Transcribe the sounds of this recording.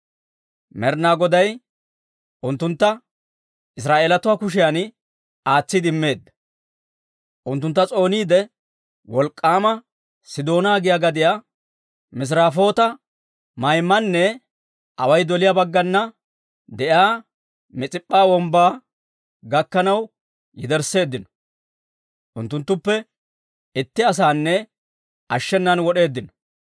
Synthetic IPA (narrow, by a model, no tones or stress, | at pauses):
mɛɾnaːɡɔd̪ɐj | ʔʊnt̪ːʊnt̪ːɐ | ɪs̬ɾaːʔeːlɐt̪ʊwaːkʊʃ̬ɪjaːn | aːt͡sːɪd̪ɪmːe̞ːd̪ːɐ | ʔʊnt̪̬ːʊnt̪ːɐt͡sʼo̞ːniːd̪ɛ | wɔlkʼːaːmɐ | sɪd̪o̞ːnaːɡɪjaːɡɐd̪ɪja | mɪs̬ɾaːfo̞ːt̪ɐ | mɐjmɐnːɛ | ʔɐwɐjd̪ɔlɪjabɐɡːɐnːɐ | d̪ɛʔaː | mɛt͡sʼɪpʼːaːwɔmbaː | ɡɐkːɐnɐw | jɪd̪ɛɾse̞ːd̪ːɪnɔ̥ | ʔʊ̰nt̪ːʊnt̪ːʊpːɛ | ɪt̪ːɪɐs̬aːnːɛ | ʔɐʃːɛnːɐnwɔɗe̞ːd̪ːɪnɔ̥